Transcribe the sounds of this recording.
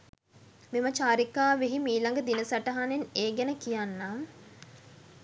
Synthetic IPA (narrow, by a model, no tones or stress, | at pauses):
mimət͡ʃaːɾikaːʋeɦimiːlaŋɡəd̪inəsaʈɐɦaneneːɡɛnəkijanːaː